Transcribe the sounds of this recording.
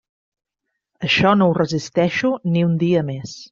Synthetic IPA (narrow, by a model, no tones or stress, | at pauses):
əʃɔnowrəzist̪ɛʃuniund̪iəmes